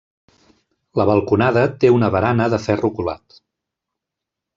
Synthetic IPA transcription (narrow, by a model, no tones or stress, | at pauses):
ləβəlˠkunaðət̪eunəβəɾanəðəfɛrukula̰t̪